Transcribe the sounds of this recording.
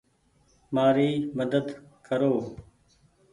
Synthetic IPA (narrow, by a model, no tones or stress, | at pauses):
maːɾiːməd̪əd̪kəɾoː